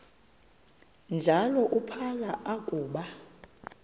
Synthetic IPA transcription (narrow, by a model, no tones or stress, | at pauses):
nd͡ʒʱalɔʔupʰalaʔakʼuːɓa